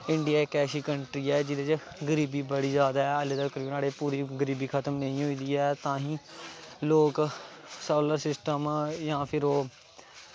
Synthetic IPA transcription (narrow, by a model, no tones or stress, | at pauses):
ɪɳɖɪjaːekɛːʃiːkəɳʈɾiːɛːd͡ʒɪd̪eːd͡ʒ | ɡəɾiːbiːbəɽiːzjaːd̪aːɛːəleːd̪əkəɾiːnaːɽeːpuːɾiːɡəɾiːbiːkʰət̪əmnəĩːɦoːiːd̪iːɛːt̪ãːɦĩːloːksoːləɾsɪsʈəmjãːpʰɪɾoː